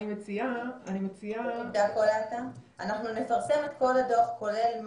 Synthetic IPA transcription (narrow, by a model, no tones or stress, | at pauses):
imet͡siaanimet͡siaid̪akolat̪aanaχnune̞faʁse̞met̪̚ko̞lado̞χko̞le̞lm